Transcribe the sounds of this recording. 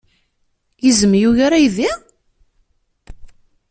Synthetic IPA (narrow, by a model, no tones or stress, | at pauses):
jəzəmjuʝaɾajði